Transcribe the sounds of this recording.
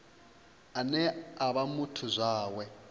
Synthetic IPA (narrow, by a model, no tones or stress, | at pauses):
anɛaβamutʰuzʷaːwɛ